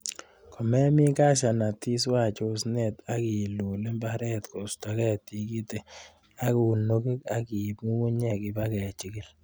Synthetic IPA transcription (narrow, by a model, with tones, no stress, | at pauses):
kʰɔ˨mɛ˦mi˦ka˦˨ʃa˨na˨ti˦swa˦˨t͡ʃo˦snɛ˨ta˦ki˨lu˨le˦mba˦ɾɛ˦tko˨sta˨kɛ˦˨ti˨ki˦te˨ | a˦ku˨u˨no˦ki˦ka˦ki˨pmu˦mu˦ɲɛ˨ki˨ba˦kɛ˨t͡ʃi˦ki˦l